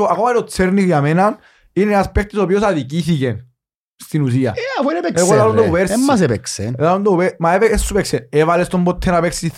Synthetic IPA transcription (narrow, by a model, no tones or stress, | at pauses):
oakomaot͡sːeɾnikjamenan | inenaspk̚t̪isopiosaðikisiʝen | st̪inus̬ia̰afweɾepeeɣoðalond̪eupeɾseːas̬epeksḛneðalund̪upemaepeesːupeksenevalest̪ombot̪ʰːenapeksi